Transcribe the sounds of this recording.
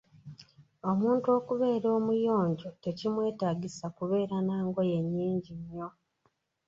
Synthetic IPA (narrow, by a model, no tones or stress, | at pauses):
o̞muːntuo̞ːkuβe̞ːɾo̞ːmujo̞ːɲɟo̞te̞cimwe̞ːtaːɡisakuβe̞ːɾanaːŋɡo̞je̞ɲːiːɲɟiɲːo̞